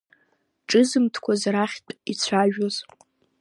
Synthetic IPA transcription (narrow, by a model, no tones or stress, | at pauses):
ʈ͡ʂʼɨzɨmtʰkʷʰazɾaχʲtʼit͡sʷʰaʒᶣoz